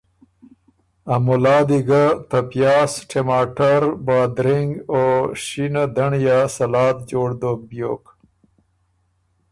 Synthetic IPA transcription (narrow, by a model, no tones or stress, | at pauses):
amʊlɑːd̪iɡat̪apjɑːsʈʰemaːʈaɾbaːd̪ɾiŋɡoʃinad̪aɳjasɐlɑːt̪̚d͡ʒoːɽd̪objo̰ːk